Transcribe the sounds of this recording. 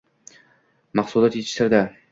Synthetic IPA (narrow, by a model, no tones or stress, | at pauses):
mɑχsulɒt̪jet̪ʰɪ̥ʃlaɾd̪a